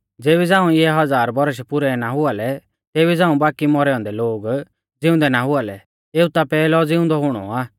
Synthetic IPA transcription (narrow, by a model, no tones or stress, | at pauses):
d͡zeːbid͡zãːũɪɛɦɐd͡zaːɾbɔɾəʃ̬ɛpʊɾɛnaɦʊalɛ | t̪eːbid͡zãːũbaːkimɔɾɛːɔ̃ːnd̪ɛloːɡ | d͡zɪ̃ʊ̃nd̪ɛnaɦʊalɛ | eːut̪apɛːlɔd͡zɪʊ̃nd̪ɔɦʊɽ̃ɔ̰aː